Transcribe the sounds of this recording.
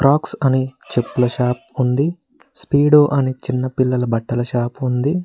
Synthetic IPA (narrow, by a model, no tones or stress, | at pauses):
kɾʔaːksɐnit͡ʃepːulɐʃaːp̚und̪i | spiːɽoːʔɐnit͡ʃinːɐpilːɐlɐbɐʈːɐlɐʃaːpund̪i